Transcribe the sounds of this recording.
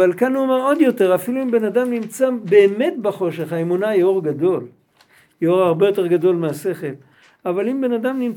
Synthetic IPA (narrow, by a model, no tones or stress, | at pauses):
alkanuomeʁod̪jo̞te̞ʁafiluimbe̞nadamnimt͡sabeːme̞tbaχo̞ʃe̞χhaemunajoʁɡado̞l | jeoʁaʁbe̞jo̞te̞ʁɡado̞lmease̞χe̞l | avalimbe̞nadamnim